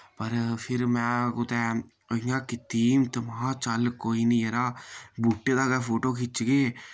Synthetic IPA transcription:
pəɾpʰɪɾmɛ̃ːʊt̪ɛː | ɪ̃jãːkɪt̪iːmt̪əmãːt͡ʃəlkoːiːnĩːeɾaːbuːʈːeːd̪aːɡɛːpʰoːʈoːkʰɪt͡ʃɡeː

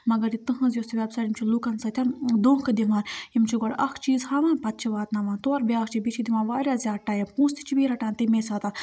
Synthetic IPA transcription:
mɐɡɐɾit̪ɨɦɐ̃zʲjost̪iʋʲebsaːʈimt͡ʃʰilukɐnsɐt̪ʰʲɐnd̪õːkʰɨd̪imaːɾimt͡ʃʰiɡoɽɐkʰt͡ʃiːzhɐmɐnpɐt̪̚t͡ʃʰiʋaːt̪nɐʋãːnt̪oɾbʲjaːkt͡ʃibit͡ʃʰid̪imaːʋaːɾʲjaːzʲjaːʈaːjɐpũːst̪i̥t͡ʃʰibiːɾɐʈãːnt̪imeːsaːt̪a

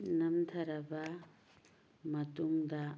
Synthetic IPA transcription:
nɐmt̪ʰɐɾaba | mɐt̪umd̪a

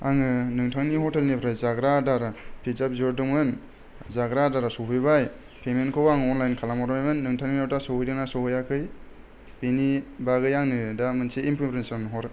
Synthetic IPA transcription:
aŋɯnɯŋtʰaŋnihɔtelnipʰɾajzaɡɾadaɾapʰizap̚zoɾduŋɯn | zaɡɾadaɾasopʰɯjbaj | pʰemenkʰɯwaŋɔnlajnkʰalamɔɾmajmɯnːɯŋtʰaŋniawtasohjdaŋnasoɦɯjakʰɯj | penibaɡɯjaŋnɯdamɯnsiimpʰupɾensanɦɔɾ

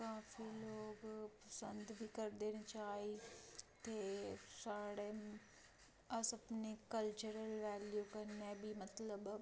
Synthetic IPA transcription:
kaːfiloːɡpɐsə̃nd̪bʱikɐɾd̪eːñt͡ɕaːɦit̪eːsaːɽem | ɐsɐpnekɐlt͡ɕuɾəlʋɛːljukɐnebimɐt̪ləb

